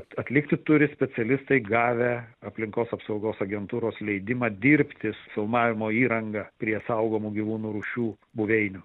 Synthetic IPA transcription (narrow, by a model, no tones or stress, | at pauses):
ɐt̪ʲlʲɪkt̪ʲɪt̪ʊɾʲɪsʲpʲɛt͡s̪ʲɛlʲɪst̪ɐɪɡɑːʋʲɛɐpʲlʲɪŋkoːsɐpsɐʊɡoːsɐɡʲɛnt̪uːɾoːslʲɛɪd̪ʲɪmɑːd̪ʲiːɾʲpʲt̪ʲɪsfʲɪlˠmɑːʋʲɪmoːiːɾɐŋɡɐpʲɾʲiɛsɐʊɡoːmuːɡʲiʋuːnuːɾuʃʲuː | bʊʋʲɛɪnʲʊ